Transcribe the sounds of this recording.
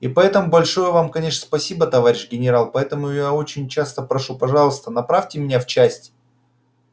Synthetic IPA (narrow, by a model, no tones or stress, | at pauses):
ipɐɛt̪əmʊbɐlʲʂo̞jəvamkɐnʲe̞ʂnəspɐsʲibət̪ɐvaɾʲɪɕɡʲɪnʲɪɾalˠpɐɛt̪əmʊjao̞t͡ɕɪnʲt͡ɕast̪əpɾɐʂupɐʐɑlˠəst̪ənɐpɾafʲtʲɪmʲɪnʲaft͡ɕæsʲtʲ